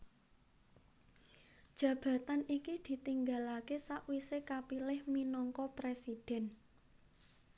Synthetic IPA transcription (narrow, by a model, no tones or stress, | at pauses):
d̥ʒ̥ä̤b̥ä̤t̪anikid̪̥i̤t̪iŋɡalakesaʔwisekapilɪhminɔŋkɔpɾesid̥ɛ̤n